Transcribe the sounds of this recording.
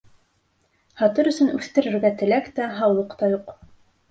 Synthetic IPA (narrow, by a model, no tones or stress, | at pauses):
hɑt̪ɤɾɵ̆sɵnʉθt̪ɘ̆ɾɘ̆ɾɡæt̪ɘ̆lækt̪æɦɑwlˠɤqt̪ɑjuq